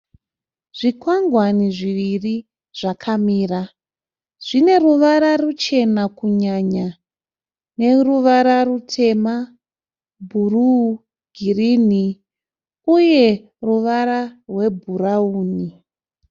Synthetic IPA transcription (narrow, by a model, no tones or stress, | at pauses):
ʐ̥ikwaŋɡwaniʐiʋiri | ʐ̥akʰamiːra | ʐ̥ine̞ruʋaɾarut͡ʃe̞nakuɲaɲa | ne̞ruʋaɾarutʰe̞ma | bʱuru | ɡʱirini | uje̞ | ruʋaɾarwe̞bʱurauːni